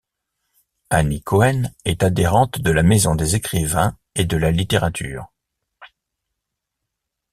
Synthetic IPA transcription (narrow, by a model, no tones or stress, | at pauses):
anikʰɔɛnɛt̪ad̪eʁɑ̃t̪d̪əlamezɔ̃d̪ezekχivɛ̃ | ed̪əlalit̪eʁat̪ʰy̰ːʁ